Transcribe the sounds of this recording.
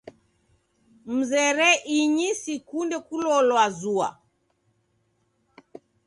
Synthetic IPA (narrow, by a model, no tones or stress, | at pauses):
m̩zɛɾɛʔiɲisikundɛkulɔlwazua̰